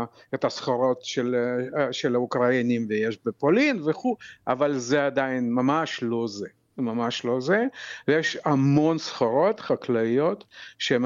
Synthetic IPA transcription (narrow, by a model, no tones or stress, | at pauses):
et̪asχaɾo̞t̪ʃelʃelaukʁainimvejeʃbepolinveχuʔa̰valzead̪ainmamaʃlo̞ze | mamaʃlo̞zejeʃamo̞nsχaɾo̞t̪χaklaijo̞t̪ʃeem